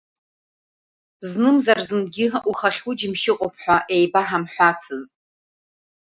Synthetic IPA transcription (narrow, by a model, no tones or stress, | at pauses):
znɨmzarzɨnɡʲɪʔuχaχʲud͡ʒɪmʃɪqʼopʰħʷᶣaʔe̞jbaħamħʷat͡sʰɨzʼ